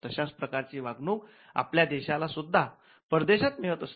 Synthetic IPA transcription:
t̪əɕat͡spɾəkaɾt͡ɕiːʋaɡnuːk | a̰pljad̪ɛɕalasud̪ʱːa | pəɾd̪eɕat̪miɭət̪əs

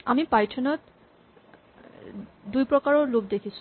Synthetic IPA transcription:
amipajtʰɔnɔt | dujpɹɔkaɹɔlobdekʰisu

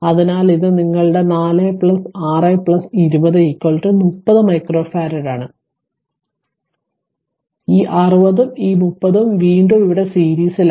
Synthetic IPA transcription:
ɐðinaːliðɨniŋːɐɭɨɽe̞naːlɐːpɭɐsaːrɐjpɭɐsiɾubɐðɨikːoːɭʈːɨmupːɐðɨmɐjkro̞ːfaːɾɐɾaːɳɨ | iːʔɐrɨbɐðumiːmupːɐðumʋiːɳɖumiiɽe̞siːɾiːsil

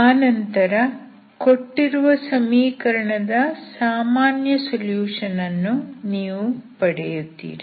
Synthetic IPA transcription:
aːnɐnt̪ɐɾɐ | koʈːiɾuʋɐsɐmiːkɐɾɐɳɐd̪ɐsaːmaːnjɐsoljuːʂɐnɐnːuniːʋupɐɽḛjut̪ːḭːɾi

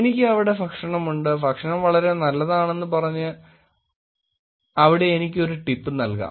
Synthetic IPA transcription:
enikʲːɨɐʋiɽe̞fɐkʂɐɳɐmuɳɖɨfɐkʂɐɳɐmʋɐɭɐɾe̞nɐlːɐðaːɳe̞nːɨpɐrɐɲːɨ | ɐʋiɽe̞ːnikʲːo̞ɾuʈipːɨnɐlka̰ː

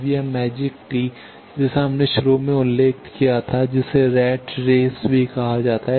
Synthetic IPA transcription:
ʋiamɛːd͡ʒɪkʈi | d͡ʒɛːsaɦɐmneʃʊɾomẽʊlːeːkkijat̪ʰad͡ʒɪseɾɛːʈɾeːsbʱikɐɦad͡ʒaːt̪aɦɛ

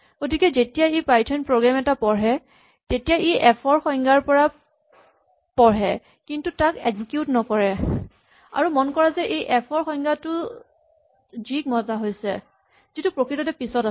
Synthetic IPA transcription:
ɡ̥otikɛzetijaepajtʰɔnpɹoɡɹamɛtapɔɹɦɛ | tetijaʔiʔɛpʰɔɹxɔjŋɡaɹpɔɹa | pɔɹɦɛ | kintutakeɡzikjutnɔkɔɹɛ | a̰ɹumɔnkɔɹazɛʔejʔɛpʰɔɹxɔjŋɡatʊ | zik̚mɔzaɦojsɛ̰ | zitupɹokɹitɔtɛpisɔta

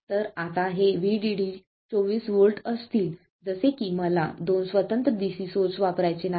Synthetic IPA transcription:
t̪əɾat̪aɦeʋiɖiɖi | t͡soʋiːsʋolʈəst̪iːl | d͡zəsekiməla̰d̪onsʋət̪ənt̪ɾəd̪isisoɾt͡sʋapɾajt͡ɕena

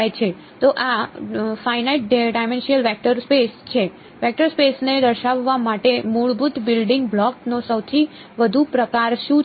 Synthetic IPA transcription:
jt͡ʃʰe | t̪oʔafajnaiʈ̚ɖajmɛnʃiəlʋɛk̚ʈəɾspest͡ʃʰe | ʋɛk̚ʈəɾspesned̪əɾʃaʋːamaʈemuɭbut̪bɪlɖɪ̃ŋɡblɔknosəwt̪ʰi | ʋəd̪ʱupɾəkaɾʃũ

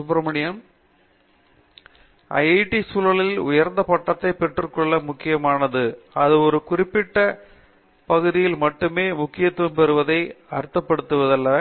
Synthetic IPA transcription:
sʊpɾɐmɐɳɪjɐm | ʔɐ̰ɪɐɪʈːisuːlɐɭɪlʊjɐɾnd̪ɐpɐʈːɐt̪ːɐɪpɛʈrɯkɔɭːɐmʊkːɪjɐmaːnɐðɯɐðɯɔɾɯkʊrɪpːɪʈːɐ | pɐɣɯðɪjɪlmɐʈːɯmeːmʊkːɪjɐt̪ːɐmpɛɾɯʋɐðɐɪɐɾɯt̪ːɐpːɐɽɯt̪ːɯʋɐðɐlːɐ

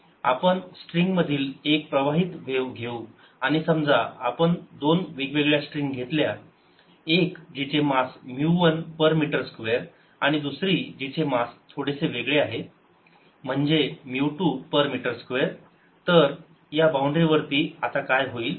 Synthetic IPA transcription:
a̰pəɳsʈɾiŋɡməd̪ʱiːlek̚pɾəʋaɦiːt̪ʋewɡʱeu | aɽ̃isəmd͡zaapəɳd̪onʋikʋeɡɭjasʈɾiŋɡɡʱet̪lja | ekd͡ʑit͡semasmjuʋənpəɾmiʈəɾskʋeɾ | aɽ̃id̪usɾiːd͡ʑit͡ɕemast̪ʰoɽeseʋeɡɭeaɦe | m̤əɳd͡zemiwʈuːpəɾmiʈəɾskʋeɾ | t̪əɾ | jabawɳɖɾiʋəɾt̪iːat̪akajɦoiːl

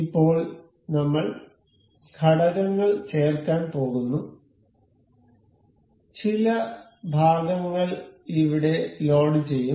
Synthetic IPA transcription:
ipːo̞ːɭ | nɐmːɐɭ | ɡʰʱɐɽɐɣɐŋːɐɭt͡ɕeːrkaːnpo̞ːɣunːu | t͡ɕilɐ | bʱaːɡɐŋːɐɭiʋiɽe̞lo̞ːɽɨt͡ɕe̞jːu

